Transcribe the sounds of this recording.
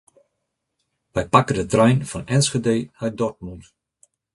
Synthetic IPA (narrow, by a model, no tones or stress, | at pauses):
ʋɛjpakədətrɛjnfɔnɛnsχədeːhœjdɔrt̚munt